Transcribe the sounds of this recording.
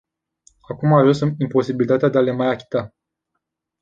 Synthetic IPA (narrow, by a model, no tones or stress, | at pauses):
akumaʒunsɨmimpo̞sibilit̪at̪ead̪eale̞majakʲi̥t̪a